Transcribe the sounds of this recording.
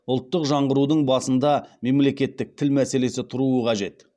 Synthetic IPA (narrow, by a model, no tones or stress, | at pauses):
ʊlˠt̪ːəqʒɑɴʁəɾud̪əɴbɑsənd̪ɑme̞mle̞kʲe̞t̪ːɪk̚t̪ʰɪlmæse̞le̞sɪt̪ʰʊɾuəqʰɑʒe̞t̪